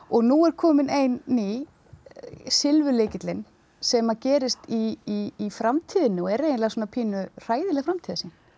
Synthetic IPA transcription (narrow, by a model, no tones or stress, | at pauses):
ɔɣnuɛɾkʰɔːmɪnejnːi | sɪlvʏleːcɪt̪lɪn | sɛmacɛːɾɪst̪iiːfɾamt̪ʰiːðɪnːʏɔɛɾejnlaɣsɔːnapʰiːnʏr̥aːjðɪlɛɣfɾamt̪ʰiːðasin